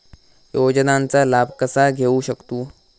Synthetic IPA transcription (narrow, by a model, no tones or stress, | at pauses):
joːd͡ʒnãːnt͡salaːbʱkəsaɡʱeːuʃəkt̪uː